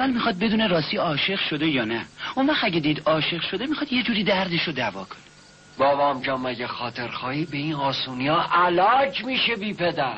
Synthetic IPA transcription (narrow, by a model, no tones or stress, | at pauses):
ævælmixɒːd̪̚be̞d̪uːne̞ɾɒːsiːɒːʃe̞ʁʃo̞d̪e̞jɒːnæunvæχt̪æɟed̪iːd̪ɒːʃe̞ʁʃo̞d̪e̞mixɒd̪je̞d͡ʒuːɾiːd̪æɾd̪e̞ʃod̪ævɒːkʰo̥ne | bɒːvɒːmd͡ʒɒːmːæɟexɒːt̪ʰe̞ɾxɒːiːbeiːnɒːsuːnijɒːʔælɒːd͡ʒmiːʃebiːpʰed̪æɾ